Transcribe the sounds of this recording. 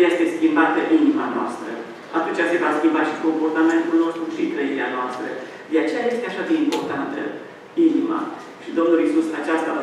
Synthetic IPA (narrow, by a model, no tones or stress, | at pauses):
je̞st̪e̞skʲimbat̪əʔinimanoa̰st̪ɾə̰ | at̪unt͡ʃʲase̞vaskʲimbaʃiko̞mpo̞rt̪ame̞nt̪ulno̞st̪ɾuʃit̪ɾəiɾeanoast̪ɾə̰ | d̪e̞at͡ʃe̞jaje̞st̪e̞aʃad̪eimpo̞rt̪ant̪ə̰ | inima̰ | ʃid̪o̞mnulisusat͡ʃast̪a